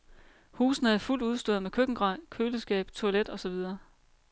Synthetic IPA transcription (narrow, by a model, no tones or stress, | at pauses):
huːsn̩əhæðˠful̰d̥uð̞ˠsd̥oːðˠmekʰøɡ̥ŋ̩ɡ̥ʁɑ̈ɪ̰kʰøːləsɡ̥ɛ̰ːb̥t͡sʰo̝æled̥ɒ̽sɒ̽ʋið̞ˠɐː